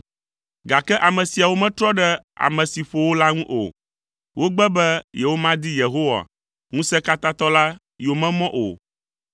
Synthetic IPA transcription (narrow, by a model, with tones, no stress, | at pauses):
ɡa˨kɛ˦ʔa˨mɛ̃˨si˨a˨wo˦mɛ̃˦t̪ɾɔ˦ɖɛ˦a̰˨mɛ̃˨si˨ɸo˨wo˦la˦ŋũ˦ʔo̰˨ | wʔo˦ɡ͡bɛ˦bɛ˦jɛ˨wo˦mã˦d̪i˦je˨ɦo˦wa̰˨ | ŋũ˦sɛ˦ka˦t̪a˦t̪ɔ˦la˦ | jo˨mɛ̃˦mɔ̃˦ʔo̰˨